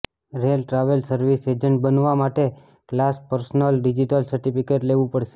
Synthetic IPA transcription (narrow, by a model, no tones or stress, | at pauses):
ɾelʈɾaʋəlsəɾʋised͡ʒəɳʈ̚bənʋamaʈe | klaspəɾsnəlɖid͡ʒiʈəlsəɾʈipikeʈleʋũpəɽʃe̥